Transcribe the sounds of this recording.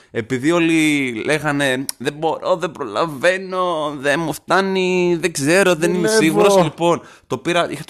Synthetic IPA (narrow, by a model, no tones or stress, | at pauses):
e̞piðio̞lilʔe̞ɣɐne̞ðe̞bo̞ɾo̞ðebɾolɐ̰ɱve̞no̞ðemuft̪ɐniðeɡze̞ɾo̞ðe̞ninesiɣuɾoslipo̞n | t̪o̞piɾɐʔixɐt̪